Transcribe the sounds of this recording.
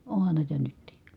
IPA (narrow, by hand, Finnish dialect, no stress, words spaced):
ohɑn næˑi̯tæ nytːiˑ